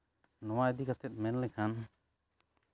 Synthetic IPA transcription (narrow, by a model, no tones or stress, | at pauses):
nɔwaɛd̪ikat̪ʰɛt̪̚ˀmɛnlɛkʰan